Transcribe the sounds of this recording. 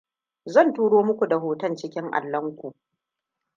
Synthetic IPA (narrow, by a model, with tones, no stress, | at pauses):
zɐ˦˨ntuː˦ɽoː˦mʊ˦kʷu˨da˨ɦoː˨tɐ˦nt͡ʃɪ˦kʲɪ˦ŋʔa̰˨lːɐ˦ŋkʷu˨ʔ